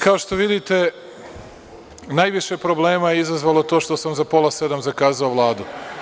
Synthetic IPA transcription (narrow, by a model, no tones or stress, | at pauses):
kao̞ʃt̪o̞ʋid̪it̪e̞ | najʋiʃepɾo̞ble̞ːmajeizazʋaːlˠot̪o̞ːʃt̪o̞samzapo̞lˠase̞d̪amzakaːzaoʋlˠaːd̪u